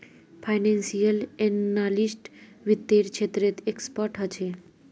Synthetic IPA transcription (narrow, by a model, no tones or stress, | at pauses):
pʰajnẽnsijəlenːalisʈʋit̪ːeɾkʃʰet̪ɾet̪ekspəɾʈɦət͡ʃʰe